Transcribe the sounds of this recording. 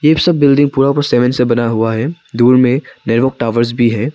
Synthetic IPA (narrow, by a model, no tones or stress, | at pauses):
jeːsɐbːɪlɖɪ̃ŋɡ̚puːɾapɐɾsɛːʋə̃nsebɐnaɦuaɦɛː | d̪uːɾmẽneɾʋək̚ʈaːʋəɾzbʱiɦɛː